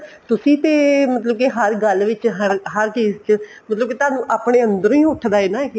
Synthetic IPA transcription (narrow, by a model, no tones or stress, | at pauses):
t̪ʊsĩːt̪eːmət̪ləb̚keɦəɾɡəlːʋɪt͡ʃɦəɾɦəɾt͡ʃiːzt͡ʃə | mət̪ləb̚ket̪aːnũːʔaːpɽeːənd̪əɾ̃ĩːʊʈʰːd̪aːeːnaːek